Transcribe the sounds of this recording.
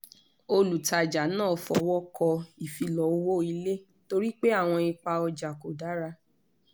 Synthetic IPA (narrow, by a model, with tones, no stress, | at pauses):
o˧lu˨ta˨d͡ʒa˨nãː˦˨fɔ˧wɔ˦kɔ˧i˨fi˧lɔ˨˦o˧wo˦˨i˧le˦ | to˧ɾi˦k͡pe˦a˦˨w̃ɔ̃˧i˧k͡pa˧ɔ˧d͡ʒa˨ko˨da˨˦ɾa˧